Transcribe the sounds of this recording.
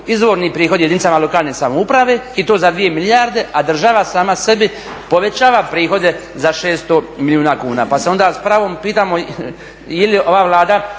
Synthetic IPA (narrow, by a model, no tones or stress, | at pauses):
izʋo̞ːɾnipɾiːxo̞d̪jed̪init̪amalo̞kaːlˠnesamoupɾaʋeːit̪oːzad̪ʋije̞milijaɾd̪e̞ʔad̪r̩ʒaʋasaːmase̞bi | po̞ʋe̞t͡ɕaːʋapɾiːxo̞d̪e̞ | zaʃeːst̪omilʲjuːnaːkuːnaːpaseo̞nd̪aːspɾaʋoːmpiːt̪aːmo | jelio̞ʋaːʋlˠaːd̪a